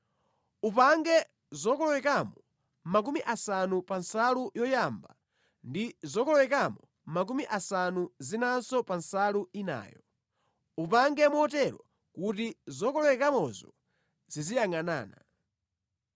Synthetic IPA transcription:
upaŋɡɛ | zɔkɔlɔwɛkamɔ | mak̬umiʔasanupansalujɔjamba̰ | ndizɔkɔlɔwɛkamɔ | mak̬umiʔasanuzinansɔpansaluina̰ːjɔ | upaŋɡɛmuɔt̬ɛɾɔ̰ | kutizɔkɔlɔwɛkamɔzɔ̰ | z̥izijaŋana̰ːna

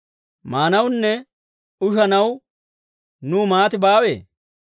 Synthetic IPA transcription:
maːnɐwnːɛ | ʊʃɐnɐw | nuːmaːt̪ɪbaːwḛː

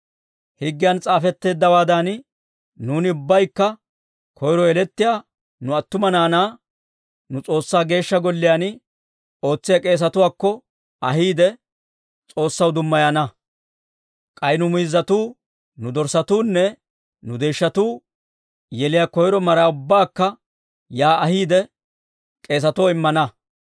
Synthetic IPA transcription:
hɪɡːɪjant͡sʼaːfɛt̪ːe̞ːd̪ːɐwaːd̪an | nuːnɪʊbːɐjkːɐ | kʰɔjɾɔɛlɛt̪ːɪjaː | nʊɐt̪ːʊmɐnaːnaː | nʊt͡sʼo̞ːsːaːɡe̞ːʃːɐɡɔlːɪjaːn | o̞ːt͡sːɪjakʼe̞ːs̬ɐt̪ʊwaːkːɔ | ɐɦiːd̪ɛ | t͡sʼo̞ːsːɐwd̪ʊmːɐjɐnɐ | kʼɐjnʊmʊjɪzːɐt̪uː | nʊd̪ɔɾsɐt̪uːnːɛ | nʊd̪eːʃːɐt̪uː | jɛlɪjaːkɔjɪɾɔmɐɾaːʊbːaːkːɐ | jaːɐɦiːd̪ɛ | kʼe̞ːs̬ɐt̪ʊwɪmːɐnɐ

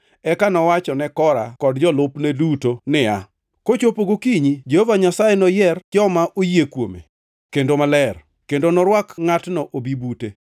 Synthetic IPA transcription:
ɛkanɔwat͡ʃɔnɛkɔɾa̰kɔdd͡ʒɔlʊpnɛdutonɪa̰ | kot͡ʃopoɡokiɲid͡ʒehovaɲasajenɔjɛrt͡ʃɔmaʔojekwo̰mḛ | kendomalɛr | kendonɔɾwakŋatnɔʔobibute

